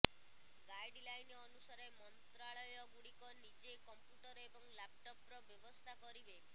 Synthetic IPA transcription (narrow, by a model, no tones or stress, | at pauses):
ɡajɖlajnɔnusaɾemɔnt̪ɾaɭɔjɔɡuɽikɔnid͡ʒekɔmpjuʈɔɾebɔŋlap̚ʈɔp̚ɾɔbjɔbɔst̪ʰakɔɾibe